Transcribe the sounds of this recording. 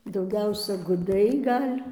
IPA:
dɐʊˈɡʲɛʊsʲɛ ɡʊˈdɐɪ ˈɡɐlʲ

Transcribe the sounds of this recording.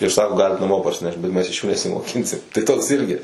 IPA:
ɪr ˈsɑːkoː ˈɡɑːlʲɪt nɐˈmoː pɐrʲsʲɪˈnʲɛʃt bʲɛt ˈmʲɛs ɪʃ ˈjuː nʲɛsʲɪmoːˈkʲɪnʲsʲɪm tɐɪ ˈtoːks ˈɪrʲɡʲɪ

